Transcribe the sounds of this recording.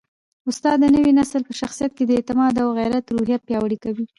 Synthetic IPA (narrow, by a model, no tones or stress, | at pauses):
ʊst̪ɑd̪ːənəwinasəlpəʃaxsijat̪̚ked̪əɪt̪ɪmɑd̪awɣajɾat̪ɾuhijapjɑwəɽikawi